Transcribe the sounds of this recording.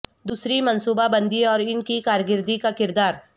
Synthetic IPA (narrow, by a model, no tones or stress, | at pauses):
d̪uːsɾimɐnsuːbabɐ̃nd̪iɔːɾɪnkikaːɾɡɪɾd̪ikakɪɾd̪aːɾ